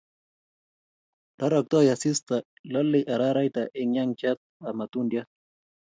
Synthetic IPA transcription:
ɾaɾɔk̚t̪ojasist̪a | lolːiʔaɾaɾajt̪aʔɪŋjaŋt͡ʃat̪̚amat̪undjat̪̚

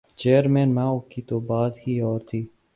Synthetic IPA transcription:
t͡ʃeːɾmẽːnmãːokiːt̪oːbaːd̪hiːɔːɾt̪ʰiː

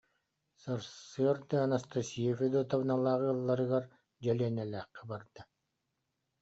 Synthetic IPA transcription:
sɯɾsɯɐɾd̪ɯanast̪asiɛfɛd̪uːt̪avnalˠaːʁɯlˠːaɾɯɡaɾ | d͡ʑɛliɛnɛlæːqːɛbaɾd̪̥a

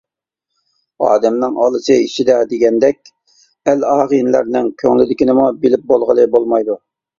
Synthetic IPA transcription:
ɑ̰ːd̪ɛmnɨŋɑlˠɨsɨiʃid̪ɛd̪eɡʲɛnd̪ɛk̚ʲ | ælɑːʁinlæ̰ɾnɪŋkʲʰøŋlɪd̪ɪkʲinɪmubilɪp̚bolˠʁəlˠɨbolˠmɑjd̪u

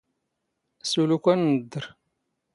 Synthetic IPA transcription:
sulukʷænːəd̪ːəɾ

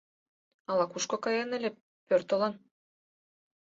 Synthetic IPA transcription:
ɑlɑkuʃkokɑjɑnɘlʲe | pørt̪ŏlɑn

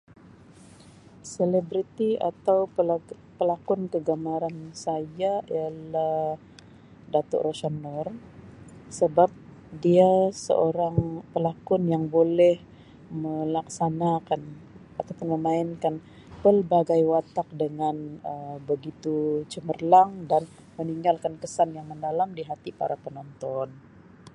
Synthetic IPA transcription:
selebɾit̪ia̰t̪aw | pəlakɔnkəɡamaɾansajaḭalah | dat̪ɔ̰ʔrosanɔr | səbap̚ | diasə̰ʔoɾaŋpəlakɔnjaŋbolɛh | məlaksanakan | at̪apʊnməmaɪnkan | pərbaɡajwat̪ak̚dəŋanəmbəɡit̪ut͡ʃəmərlaŋdan | məniŋɡalkankəsanjaŋməndalamdiɦat̪ipa̰ɾapənɔnt̪ɔn

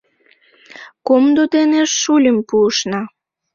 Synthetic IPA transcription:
komd̪od̪eneʃːulʲəmpuːʃnɑ

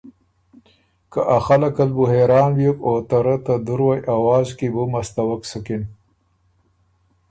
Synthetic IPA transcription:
kaʔaxalakalbuɦeɾɑːnwjukot̪aɾat̪ad̪uɾwajʔawɑːzkibumast̪awəksukin

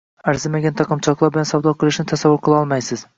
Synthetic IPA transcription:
aɾzɪmaɡʲant̪ʰɑqʰɨmt͡ʃʰɒqlˠɑɾbɪlansawd̪ɒqʰɨlˠɪʃnɪt̪ʰasavːʊɾqʰɨlˠɑɒlˠmajsɪz̥

